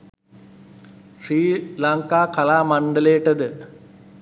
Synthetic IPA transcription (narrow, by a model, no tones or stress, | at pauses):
ʂriːlaŋkaːkɐlaːmɐɳɖɐleːʈːɐd̪ɨ